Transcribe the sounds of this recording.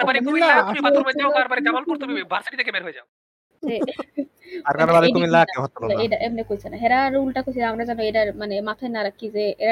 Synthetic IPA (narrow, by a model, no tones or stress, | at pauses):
ɾbaɾikumilaumibauɾmed̪iboaɾbaɾikamolɔɾt̪omibʱaɾsaʈit̪ʰekemeɾɦoed͡ʑa̰o | e | aɾkaɾabad̪iumilːakeɦɔt̪ːonoaejʈaʔemnekojt͡ɕʰenaɦeɾaɾulʈakot͡ɕʰiamɾad͡ʑanoejʈaɾmanemat̪ʰajnaɾakʰːid͡ʑee